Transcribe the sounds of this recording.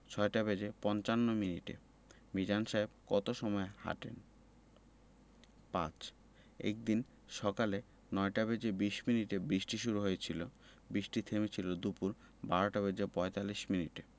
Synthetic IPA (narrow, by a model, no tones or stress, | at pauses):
t͡ɕʰɔeʈabed͡ʑepɔnt͡ɕanːominiʈḛ | bid͡ʑanʃaeb̚kɔt̪oʃɔmɔeha̰ʈḛn | pã̰t͡ɕ | ḛk̚d̪in | ʃɔkale | nɔeʈabed͡ʑebiʃminiʈebɾiʃʈiʃuɾuɦojet͡ɕʰilo | bɾiʃʈit̪ʰemit͡ɕʰilod̪upuɾ | baɾoʈabed͡ʑepɔet̪aliʃminiʈe